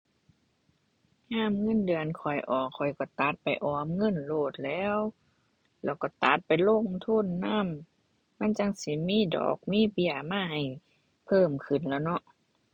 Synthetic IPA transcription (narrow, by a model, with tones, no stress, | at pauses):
haː˧˥˨mŋɤ˧˥˨ndɯ˨˩ənkʰɔ˨˩jʔɔː˨˩ɔ˨˩jkɔ˧˩t̪a˧˦t̪̚pa˨˩jʔɔː˨˦mŋɤ˧˥˨nloː˧˩t̪̚lɛː˧˥˨w | lɛː˧˩wkɔ˧˩t̪a˨˧˦t̪̚pa˨jlo˧˥˨ŋt̪ʰu˧˥˨nːaː˧˥˨mː | a˧˥˨nt͡ɕa˧ŋsi˧˦miː˧˥˨dɔ̰ː˨˩k̚miː˧˥˨bi˧˩əmaː˧˥˨ha˨˩j | pʰɤː˧˥˨mkʰɯ˨˩nlɛː˧˩nɔ˧˦ʔ